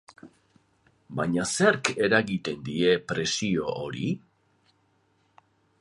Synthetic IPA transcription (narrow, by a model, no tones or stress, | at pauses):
baɲaseɾke̞ɾaɣit̪e̞nd̪ie̞pɾe̞sio̞ʔoɾḭ